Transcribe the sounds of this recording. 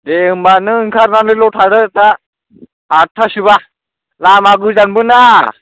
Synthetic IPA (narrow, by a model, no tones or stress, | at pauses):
deɯmbanɯŋkʰaɾnalɯloʈʰaɽət̪aː | ʈʰaɕuβa | lamaɡuzanbɯna